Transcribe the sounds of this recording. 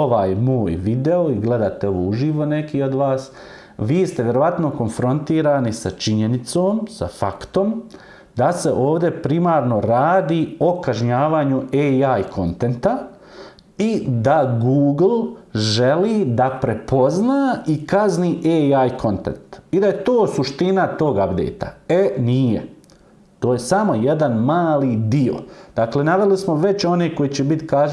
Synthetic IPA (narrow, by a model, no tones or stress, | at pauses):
oʋaːjmoːjʋid̪e̞oiɡle̞d̪aːt̪e̞o̞ʋoːuʒiːʋo̞ne̞kiːo̞d̪ʋaːs | ʋiːst̪eʋje̞ɾo̞ʋat̪no̞ko̞nfɾo̞nt̪iːɾaːnisat͡ʃiɲe̞nit̪soːmsa̰fakt̪o̞m | d̪ase̞ʔoːʋd̪e̞pɾimaːɾno̞ɾaːd̪iːo̞kaʒɲaːʋaːɲueːajkʰo̞nt̪e̞nt̪a | id̪aɡuːɡl̩ˠʒeliːd̪apɾe̞po̞znaːikazniːʔeajkʰo̞nt̪e̞̰nt̪id̪ajet̪oːsuʃt̪inat̪o̞ːɡabd̪ḛːt̪a̰eniːjḛ | t̪o̞ːjesamo̞jed̪anmaːliːd̪io̰d̪̥aːklenaʋe̞lismo̞ʋe̞t͡ɕo̞neːko̞jet͡ɕebit̪ka